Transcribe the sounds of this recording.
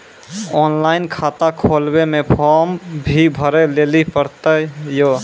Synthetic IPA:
ɔːnlaɪnkʰat̪akʰolbemepʰɔmbʱibʱəɾɛlelipəɾt̪əjo

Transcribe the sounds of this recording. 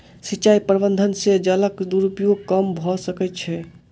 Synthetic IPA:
sit͡ʃaipəɾbənd̪ʱənsed͡ʒələkd̪uɾupijokəmbʱɔsəkɛt̪̚t͡ʃʰɛ

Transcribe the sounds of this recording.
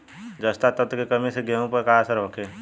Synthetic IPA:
d͡ʒəst̪at̪ət̪kekɐmẽseɡeõpəɾkaəsəɾʋəkʰẽː

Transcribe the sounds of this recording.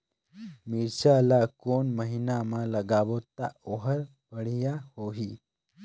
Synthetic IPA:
miɾɕalakoɳməɦinamaləɡaʋot̪ːa̰oɦəɾ | ʋəɽ̤ijahoɦi

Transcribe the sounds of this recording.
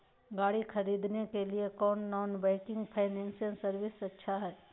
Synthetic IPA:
ɡaːɽixʰɐɾiːd̪nekeliekɔːnːɔːnbɛ̃ːkɪ̃ŋɡpʰaɪnɛ̃ːnsəŋsɐɾʋɪsɐtːʃʰaɦɛː

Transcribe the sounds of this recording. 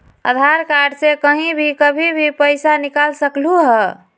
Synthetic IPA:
ə̰d̪ʱaɾkaɖsekəɦĩbʱikəbʱibʱipəɪsanikalsəkluɦɛ

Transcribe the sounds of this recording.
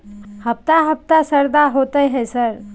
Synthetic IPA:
həp̚t̪aɦəp̚t̪asəɾd̪aɦoːt̪əɦɛsəɾ

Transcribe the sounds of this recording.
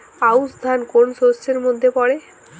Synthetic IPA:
ausd̪ʱankonsosːeɾmod̪ʱːepɔɽe

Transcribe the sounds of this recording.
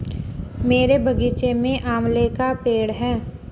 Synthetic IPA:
meːɾebʱɐɡiːt͡ʃemẽʔaːmlekapeːɽɦɛː

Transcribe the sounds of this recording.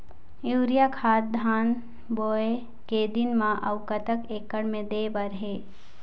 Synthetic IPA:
juːɾijakʰaːt̪̚d̪ʱaːn | boːe | ked̪ɪnmãʔɐwkət̪əkeːkːəɽmẽd̪eːbəɾɦeː

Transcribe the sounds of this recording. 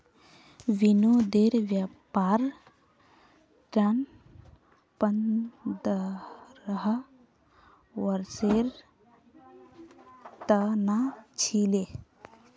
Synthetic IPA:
ʋinod̪eːɾʋjapaːɾ | ʈɾan | pənd̪əɾəɦ | wəɾseɾ | t̪ənat͡ʃʰile

